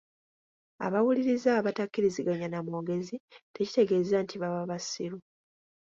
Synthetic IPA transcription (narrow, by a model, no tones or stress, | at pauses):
a̰βawuliɾizaːβatakːiɾiziɡaɲanamoːɡe̞zite̞ci̥te̞ɡe̞ːzantʰiβaβaβasiɾu